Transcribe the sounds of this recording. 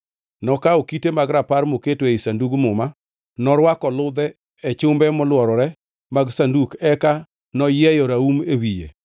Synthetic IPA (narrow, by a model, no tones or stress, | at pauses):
nɔkaokitemaɡɾapaɾmoketoeisanduɡmʊma | nɔɾwakɔlʊd̪ɛ | et͡ʃʊmbɛmɔlwɔɾɔɾɛ | maɡsandukɛka | nɔjɛjɔɾaumewijḛ